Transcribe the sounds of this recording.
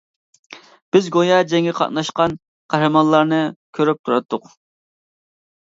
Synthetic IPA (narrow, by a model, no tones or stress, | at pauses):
b̥ɪzɡojɑd͡ʒɛŋʲɛqʰɑ̰t̪nɑʃqɑn | qʰæɦɾɨmɑnlˠɑɾnɨkʲʰøɾyp̚t̪ʰuɾɑt̪ʰːʊq